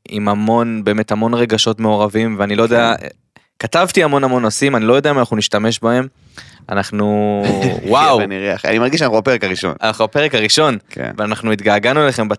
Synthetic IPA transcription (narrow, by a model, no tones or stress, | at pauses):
ḭmamo̞nbe̞ːme̞thamo̞nʁeɡaʃo̞tme̞o̞ʁavimveanilo̞jodea̰ | katavtiamo̞namo̞nosimanilo̞jodeaimanaχnuniʃtame̞ʃbahe̞m | anaχnu | wawniʁeaχa̰nimaʁɡiʃanaχnubapeʁekaʁiʃo̞̰nanaχnubapeʁekaʁiʃo̞nkḛveanaχnuit̪ɡaːɡanueleχe̞mba